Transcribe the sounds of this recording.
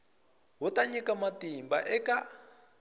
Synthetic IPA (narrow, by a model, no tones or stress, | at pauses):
ɦutaɲɛkamatimba̰ʔɛka